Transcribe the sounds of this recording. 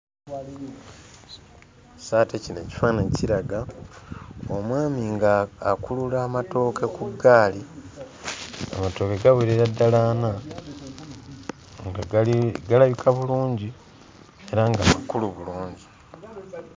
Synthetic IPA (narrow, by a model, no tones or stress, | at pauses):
saːtecineci̥faːneciɾaɡa | omwaːmiŋɡaːkululaːmato̞ːke̞kuɡaːli | a̰mato̞ːkeɡaweɾeɾadːalaːna | ŋɡaɡalaβikʰaβuluːɲɟi | e̞ɾaŋɡamakuluβuluːɲɟi